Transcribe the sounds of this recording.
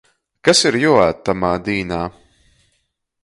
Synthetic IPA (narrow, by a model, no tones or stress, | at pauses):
kasiɾjuɔaːt̪ːamaːd̪iːnaː